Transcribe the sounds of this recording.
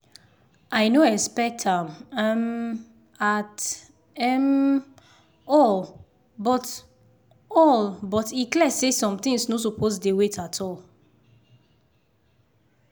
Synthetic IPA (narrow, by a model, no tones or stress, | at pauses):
ʔaɪnoɛkspɛk̚tãmam | at | ɛm | ɔl | bɔt | ɔlbɔtiklɛsesɔ̃mt̪ĩŋsnos̬uposdewetʰatʰɔl